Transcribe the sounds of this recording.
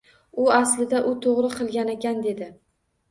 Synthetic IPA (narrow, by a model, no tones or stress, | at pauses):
ʊaslɪd̪aʔʊt̪ʰoʁɾɪqʰɨlˠɡʲanekʲand̪e̞d̪ɪ